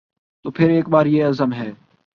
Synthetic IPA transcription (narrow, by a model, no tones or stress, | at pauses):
t̪oːpʰɪɾeːkbaːɾjeɐzəmɦɛː